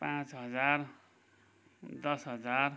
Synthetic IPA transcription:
pãt͡sɦʌd͡zar | d̪ʌsɦʌd͡zar

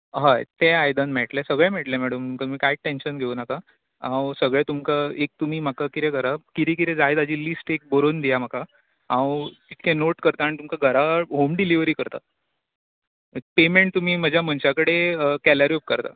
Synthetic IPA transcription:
ɦajt̪eajd̪ənmeʈlesəɡɭẽmeʈlemæɽəmumkat̪um̤iːkajʈenɕənɡʱeunaka | ãwsəɡɭet̪umkaek̚t̪um̤iːm̤akakiɾeɡʱəɾakiɾik̬it̪ɛd͡zaet̪ad͡ʑiːlisʈek̚boɾond̪ijam̤aka | ɦãwt̪it̪̚ʰkʰẽnoʈkəɾt̪aːɽit̪umkaɡʱəɾaɦomɖiliʋɾiːkəɾt̪a̰ | ek̚pemeɳʈ̚t̪um̤iːm̤əd͡ʑʱjam̤əɳt͡ɕakəɽekɛlaɾjop̚kəɾt̪a̰

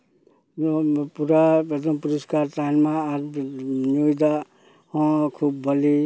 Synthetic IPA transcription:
puɾaed̪ɔ̃mpuɾəskaɾʈajnmaːd͡ʒnojd̪a | hɔ̃kʰubːʌli

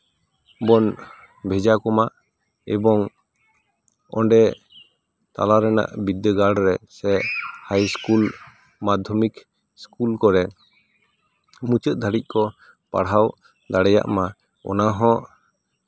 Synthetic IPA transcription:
bɔn | bʱɛd͡ʒakɔmaʔ | ɛbɔŋ | ɔ̰ɳɖɛ | t̪a̰laɾɛna̰ʔbid̪əɡaɽɾɛsɛʔhajskul | mad̪ʱɔmik | skulkɔɾɛ | mut͡ʃət̪̚d̪ʱaɽic̚ˀkɔ | pa̰ɽɦaw | d̪aɽɛja̰ʔma | ɔ̰naɦɔ̃ʔ

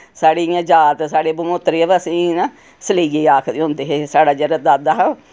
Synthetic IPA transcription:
saːɽeːjãːd͡ʒaːt̪saːɽeːbəmot̪ɾeəʋəsĩːnãː | səliːɡeːaːkʰd̪eːɦõːnd̪eːɦeːsaːɽaːd͡ʒəɾad̪aːd̪aːɦɛ

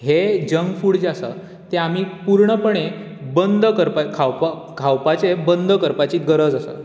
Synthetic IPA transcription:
hed͡ʑəŋɡfuɽd͡zasə̰ | t̪eamiːpuɾɳəpəɳ̃e | bənd̪ʱəkəɾpakʰawpa | kʰawpat͡sebənd̪ʱəkəɾpat͡ɕiːt̪̚ɡəɾəd͡zəsə̰ː

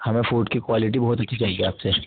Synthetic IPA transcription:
hɐmẽfuːʈkikwaːlɪʈ̬ibɔɦːt̪ɐtːʃʰit͡ʃaɦeɡiaːpse

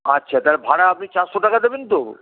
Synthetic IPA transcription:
atːɕʰat̪aɾbʱaɽaapnit͡ɕaɾʃoʈakad̪ebent̪o

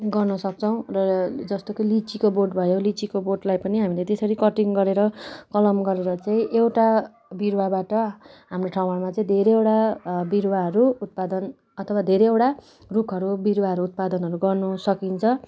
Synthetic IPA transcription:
ɡʌrnʌsʌk̚t͡sʰʌw̃rʌd͡zʌst̪okʌlit͡sikoboʈbʱʌjolit͡sikoboʈlajpʌniɦamilet̪esʌɾikʌʈiŋɡʌɾeɾʌkʌlʌmɡʌɾeɾʌt͡saĩʔewʈa | biɾwabaʈʌɦamroʈʰaw̃aɽmat͡saĩd̪ʱeɾeewʈabiɾwaɦʌɾuːt̪̚pad̪ʌn | ʌt̪ʰʌwad̪ʱeɾeewʈa | rukʰʌɾubiɾwaɦʌɾuːt̪̚pad̪ʌnɦʌɾuɡʌrnusʌkint͡sʰʌ

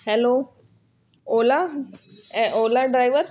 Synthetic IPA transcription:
hɛloː | oːla | ʔoːlaɖɾajʋəɾ

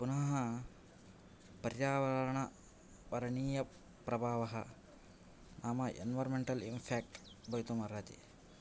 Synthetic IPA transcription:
punɐɦɦɐ | pɐɾjaːʋɐɾɾɐɳɐ | ʋɐɾɐɳiːjɐ | pɾɐbʱaːʋɐɦɐ̰ | nʔaːmɐḛnʋɐɾmeɳʈɐlimpʰeːk̚ʈ | bɐjt̪umɐɾɐt̪ḭ

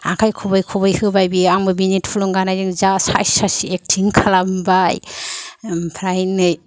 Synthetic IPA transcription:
akʰajkʰɔbɯjkʰɔbɯjhɯbajbiaŋbɯbinitpʰulɔŋɡanajzɯŋzasa̰jsasiek̚tʰiŋkʰalambaj | pʰɾajnːɯj

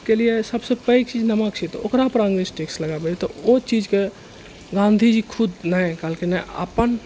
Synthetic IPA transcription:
keliesəbsepəik̚t͡ʃiːd͡ʒnəmakt͡ʃʰit̪o̰kɾapɾãŋɡnisʈɪksləɡabet̪oot͡ʃid͡ʒke | ɡãːnd̪ʱid͡ʒikʰʊd̪nəɛkaːlkinəə̰pən

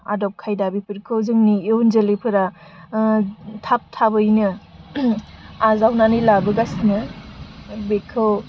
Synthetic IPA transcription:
a̰dɔp̚kʰajdabipʰɯɾkʰɯwzɯŋnieunzelipʰɯɾa | tʰap̚tʰabɯjnɯ | azawnanijlabɯɡasnɯ | bekʰɯw

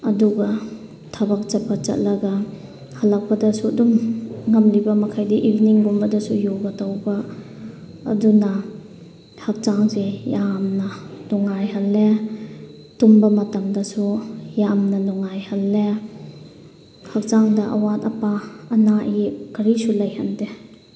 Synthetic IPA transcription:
ɐduɡɐ | tʰɐbɐk̚t͡ʃɐpʰːɐt͡ʃɐ̰t̚lɐɡɐ | hɐlɐk̚pɐdɐsuɐdumŋɐmlibɐmɐkʰajdiʔibiniŋɡumbɐdɐsujobɐtawbɐ̰ː | dunɐ | hɐk̚t͡ʃaŋzejamnanɔŋːajɦɐlːe | tumbɐmɐtɐmdɐsujamnɐnɔŋajhɐlːe | hak̚t͡ʃaŋdɐʔa̰wat̚ɐpaɐnaikɐɾisulɐjhɐnde

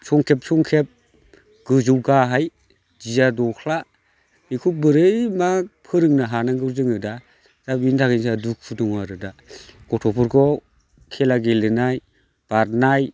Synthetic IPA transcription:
sɔŋkʰep̚sɔŋkʰep̚ | ɡ̥ɯzɯwɡaɦaj | d͡ʒizadɔkʰla | ikʰubɯɾɯjmapʰɯɾɯŋnaɦanaɡɯɾzɯŋɯda | z̥abintʰakinsaduk̚pʰudɔŋwaɾɯdaɡ̥ɔtʰɔpʰɔɾkʰɔ | kʰelaɡelɯnaj | b̥aɾnaj

